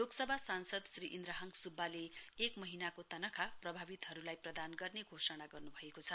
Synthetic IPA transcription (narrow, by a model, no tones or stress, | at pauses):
loksʌbʱasansʌd̪sriʔind̪raɦʌŋsubʱːaleːkmʌɦinakot̪ʌnʌkʰaprʌbʱabit̪ɦʌɾulajprʌd̪anɡʌrneɡʱosʌnaɡʌrnubʱʌekot͡sʰʌ